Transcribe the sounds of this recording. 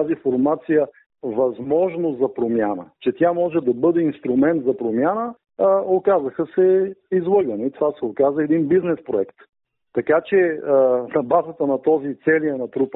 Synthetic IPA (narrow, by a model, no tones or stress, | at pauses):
azifoɾmat̪sijə | vɐzmɔʒnozɐpɾomjanə̰t͡ʃɛt̪ʲjamɔʒɛd̪ɐbɤd̪ɛinst̪ɾʊmɛnt̪zɐpɾomʲjanə | okazəxəsɛizlˠɤɡənoit̪ovasɛokazəɛd̪inbiznɛspɾoɛkt̪ː | ɐkat͡ʃɛnɐbazət̪ənɐt̪ɔzit̪sɛliɐnɐt̪ɾup